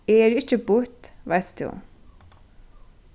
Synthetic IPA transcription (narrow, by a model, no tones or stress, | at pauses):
eːɾɪt͡ʃːəbʊɹt̪ʋæɪst̪ṵ